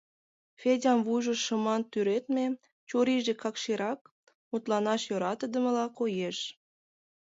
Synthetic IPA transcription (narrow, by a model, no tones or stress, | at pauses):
fʲedʲɑmvujʒə̆ʃə̆mɑnt̪yɾet̪me | t͡ɕoɾiʒekɑkʃiɾɑk̚ | mut̪lɑnɑʃjoɾɑt̪ə̆d̪ə̆mə̆lɑkojeʃ